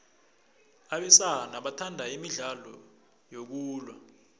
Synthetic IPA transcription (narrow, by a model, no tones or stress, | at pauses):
aɓɛsanaɓatʰandʱaimiɮalɔ̰ | jok̬uːlwa